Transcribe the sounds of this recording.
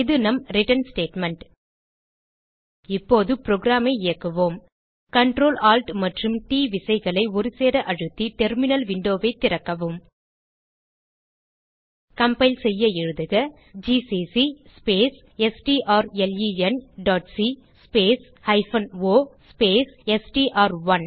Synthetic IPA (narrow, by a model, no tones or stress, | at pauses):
ɪðɯnɐmɾɪʈɐnsʈeːʈmɛɳʈ | ɪpːoːðɯpɾoːɡɾaːmɐɪɪjɐkːɯʋoːm | kɐɳʈɾoːlaːlʈmɐʈrɯmʈiːʋɪsɐɪɣɐɭɐɪɔɾɯseːɾɐʔɐɻɯt̪ːiʈɛɾmɪnɐlʋɪɳɖoːʋɐɪt̪ːɪɾɐkːɐʋɯm | kɐmbɐɪlsɛjːɐɪɻɯðɯɣɐ | d͡ʒiːsisispeːs | ɛsʈiʔaːɾɛljiːɛnɖaːʈsi | speːs | hɐɪfɐnoːspeːsɛsʈiʔaːɾʋɐn